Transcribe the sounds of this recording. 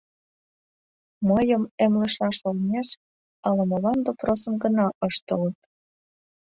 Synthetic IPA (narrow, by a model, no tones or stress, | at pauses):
məjəmemlə̆ʃɑʃolneʃ | ɑlə̆mə̆lɑnd̪oprosəmɡənɑʔəʃt̪ələt̪